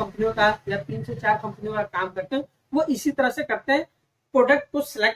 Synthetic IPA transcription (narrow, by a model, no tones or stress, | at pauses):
ɐ̃mpnijõkajat̪iːnset͡ʃaːɾkɐ̃mpnijõkakaːmkɐɾt̪eɦɛ̃ | ʋoʔɪsit̪ɐɾəɦsekɐɾt̪eɦɛ̃ | pɾoːɖək̚ʈ̚kosɛleː